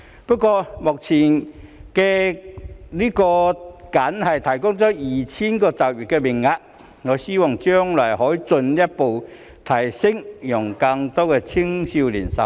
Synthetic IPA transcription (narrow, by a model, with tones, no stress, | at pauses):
pɔ˥kːwɔː˧mʊ˨k̚t͡sʰiː˨˩nkɛ˧ | liː˦˥kɔː˧ka˨˥nhɐ˨˩jt̪ʰɐ˨˩jkʊ˥ŋt͡sɔː˨˥jiː˨t͡ɕʰi˥nkɔː˧t͡sɐ˨˩wjy˨˩t̚kɛ˧mɪ˨˩ŋːa˧t̚ | ŋɔ˨˧ɕiː˥wɔ˨˩ŋt͡ɕjœ˥ŋla˨˩jɦɔː˨˥jt͡sɵ˧nlja˥t̚po˨˩w | t̪ʰɐ˨˩jsɪ˥ŋjʊ˨˩ŋka˧ŋt̪ɔ˥kɛ˧t͡ɕʰi˥ŋɕi˧wlḭ˨˩nsɐ̰˨˩